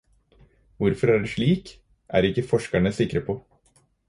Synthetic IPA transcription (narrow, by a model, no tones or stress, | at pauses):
ʋʊɾfɔɾæɖɛʂɭiːk | ʔæ̰ːɾɪkːəfɔʂkæɳəsɪkɾəpʰoː